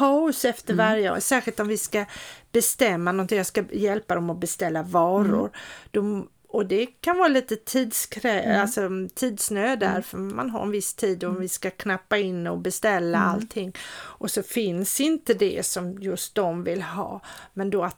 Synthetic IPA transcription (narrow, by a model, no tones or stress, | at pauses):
haʊsɛft̪əɾvaɾjə̰sæːɧɪlt̪ɔmvɪskab̥ɛst̪ɛmːanɔnt̪ɪŋjɑskajɛlpad̪ɔmɔbɛst̪ɛlːavɑːɾʊ̰ɾd̪̥ɔ | ɔd̪ɛkʰanvɑːɾaliːt̪ət̪ʰiːd̪skʰɾɛalsɔt̪ʰiːd̪snøːd̪æ̰ɾfœɾma̰nɦa̰ɾɛnvɪst̪ʰiːd̪ɔmvɪskakʰnapːaɪnːɔbɛst̪ɛlːaa̰lt̪ʰːɪŋːʔɔsɔfɪnsɪnt̪əd̪ɛ̰sɔmjɵst̪̚d̪ɔmvɪlɦɑ̰ːmɛnd̪oat̪